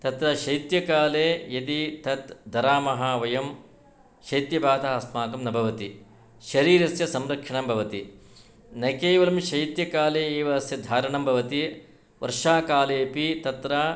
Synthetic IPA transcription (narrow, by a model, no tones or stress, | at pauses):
t̪ɐt̪ɾɐʃɐjt̪jɐkaːleːjɐd̪it̪ɐt̪d̪ɐɾaːmɐɦaːʋɐjɐm | ʃɐjt̪jɐbaːd̪aɐsmaːkɐmnɐbʱɐʋɐt̪i | ʃɐɾiːɾɐsjɐsɐmɾɐkʂɐɳɐmbʱɐʋɐt̪i | nɐkeːʋɐlɐmʃɐjt̪jɐkaːleːeːʋɐsjɐd̪ʱaːɾɐɳɐmbʱɐʋɐt̪i | ʋɐ̰ɾʂaːkaːleːpit̪ɐt̪ɾɐ